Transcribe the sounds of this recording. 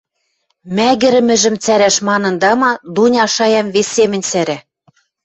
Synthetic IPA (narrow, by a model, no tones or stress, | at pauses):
mæɣɘ̆ɾɘ̆mɘ̆ʒɘ̆mt͡sæɾæʃmɑnɤ̆nd̪ɑmɑd̪unʲɑʃɑjɑmβesːemɘ̆nʲsæɾæ